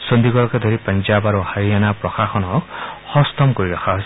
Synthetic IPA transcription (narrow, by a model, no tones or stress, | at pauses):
sɔnd̪iɡɔɾɔked̪ʱɔɾipand͡ʒabaɾuhaɾianapɾɔxaxɔnɔkhɔst̪ɔmkoɾiɾakʰaɦojs